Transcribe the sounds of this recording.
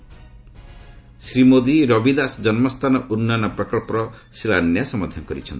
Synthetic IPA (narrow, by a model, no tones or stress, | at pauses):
sɾimod̪iɾɔbid̪asd͡ʒɔnmɔst̪ʰanɔʔunːanɔpɾɔkɔɭpɔɾɔsiɭanjasɔmɔd̪ʱakɔɾit͡ʃʰɔnt̪i̥